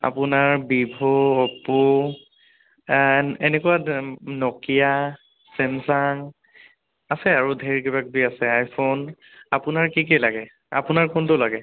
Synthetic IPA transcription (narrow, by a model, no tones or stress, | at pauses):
a̰pʊnaɹbibʱɔɔpu | ɛnɛkuwanɔkija | sɛnsaŋ | asɛaɹudʱeɹkibak̚biasɛajpʰon | apʊnaɹkikɛlaɡɛ | a̰pʊnaɹkʊntʊlaɡɛ